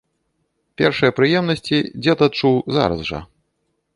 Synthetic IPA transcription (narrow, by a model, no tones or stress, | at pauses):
pʲɛrʂɨjɐpɾɨjɛmnɐsʲt͡sʲid͡zʲɛt̪ɐt̪̚t͡ʂuwza̰ɾɐ̰zʐɐ̰